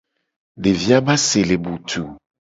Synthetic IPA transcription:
ɖe˨vi˦a˦ba˦se˨le˨bu˨t̪ʰu˨

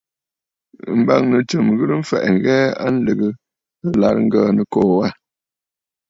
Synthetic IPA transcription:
m̩˨˦ba˦ŋnə˨t͡ʃɨ˨mɣɨ˦ɾɨ˦m̩˦fɛ̰˨ʔŋ̩˨ɣɛ˦a̰˦n̩˦lɨ˨ɣɨ˨ | ə˦la˨ɾŋ̩˦ɡəː˦˨nə˨kɔː˨wa˦˨

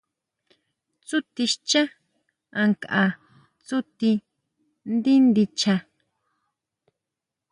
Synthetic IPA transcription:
t͡su˦t̪i˧ʃt͡ʃa˦ | ã˧ŋkaʔa˧ | t͡su˦t̪i˧ | nd̪i˦nd̪i˧t͡ʃa˧

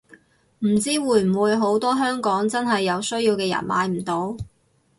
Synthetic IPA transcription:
m̩˨˩t͡siː˥wuː˨˧˩jm̩˨˩wuː˨˧jɦo˨˥wt̪ɔː˥ɦœː˥ŋkɔː˨˥ŋt͡sɐ˥nɦɐ˨jːɐ˨˧wsɵ˥ɥjiː˧wkɛː˧jɐ̰˨˩nma̰ː˨˧jm̩˨˩t̪o˨˥w

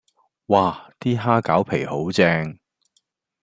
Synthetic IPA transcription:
waː˨˧˩t̪iː˥ɦaː˥kaː˨˥wpʰe˨˩jho˨˥wt͡sɛː˧ŋ

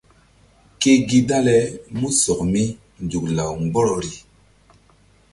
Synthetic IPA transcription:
ke˦ɡi˦da˦lɛ˦mu˦sɔ˨k̚mi˦ | n˨d͡ʒu˨kla˨wŋ˦ɡ͡bɔ˦ɾɔ˨ɾi˦

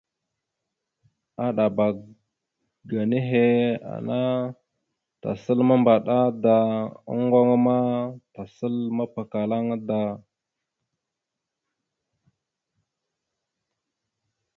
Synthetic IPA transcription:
a˦ɗa˨ba˨ | ɡa˨ne˦ɦe˦a̰˨na˦ | ta̰˨sə˦lma˦mba˨ɗa˦da˨a̰˦ŋɡo˦ŋa˦ma˦ta˨sə˦lma˦pa˨ka˨la˦ŋ˦da˨

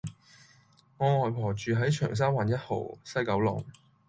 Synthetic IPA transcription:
ŋɔː˨˧ŋɔː˨jpʰɔː˨˩t͡ʃyː˨ɦɐ˨˥jt͡ʃʰœ̰ː˨˩ŋs̬aː˥waː˨njɐ˥t̚ho̰˨˩wsɐ˥jkɐ˨˥wlɔ̰ː˨˩ŋ

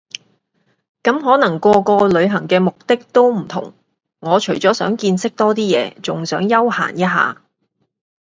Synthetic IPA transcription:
kɐ˨˥mɦɔː˨˥nɐ˨˩ŋkʷɔː˧kɔː˧lɵ˨˧ɥɦɐ˨˩ŋkɛː˧mʊ˨k̚t̪ɪ˥k̚t̪o˥wm̩˨˩t̪ʰʊ̰˨˩ŋ | ŋɔː˨˧t͡ʃʰɵ˨˩ɥt͡sɔː˨˥sœ̰ː˨˥ŋkiː˧nsɪ˥k̚t̪ɔː˥t̪iː˥jɛ̰ː˨˧t͡sʊ˨ŋsœː˨˥ŋjɐ˥wha̰ː˨˩njɐ˥t̚ɦa̰ː˨

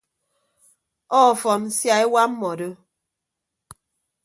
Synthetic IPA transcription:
ɔː˦˨fɔ˨n̩˦sja˦e˦wa˦m̩˦mɔ˨do˦

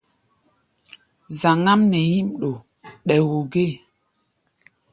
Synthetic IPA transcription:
za˨ŋa˦mnɛ˨ji˦mɗo˨ | ɗɛ˨wo˨ɡe˦˨

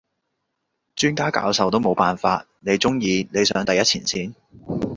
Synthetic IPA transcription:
t͡ʃyː˥nkaː˥ka̰ː˨˧˥wsɐ˨wt̪o˥wmo˨˧wpaː˨nfaː˧t̚ne˨˧jt͡sʊ˥ŋjiː˨˧ne˨˧jsœ̰ː˨˥ŋt̪ɐ˨jɐ˥t̚t͡sʰiː˨˩nsiː˥n

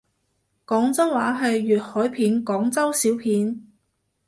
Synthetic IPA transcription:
kɔː˨˥ŋt͡sɐ˥wwaː˨˥ɦɐ˨jːyː˨t̚hɔː˨˥jpʰiː˨˥nkɔː˨˥ŋt͡sɐ˥wsiː˨˥wpʰiː˨˥n

